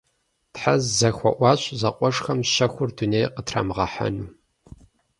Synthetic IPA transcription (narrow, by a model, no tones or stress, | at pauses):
tħazzɐxʷɔʔʷɑːɕzɐqʷʼɔʂxɐmʃɐxʷʊrdunejqətʰra̰ːmʁɐħa̰nuː